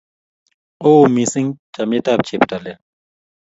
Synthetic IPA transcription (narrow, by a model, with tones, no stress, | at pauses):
oː˦misi˦ŋt͡ʃa˨me˦tap̚t͡ʃʰe˨pta˨lɛ